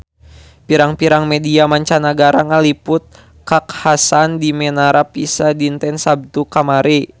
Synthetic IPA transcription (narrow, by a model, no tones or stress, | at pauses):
piɾaŋpiɾaŋmɛdiamaɲt͡ʃanaɡaɾaŋalipʊt̪̚ | kakhasandimɛnaɾapisadint̪ɛnsab̚t̪ukamaɾi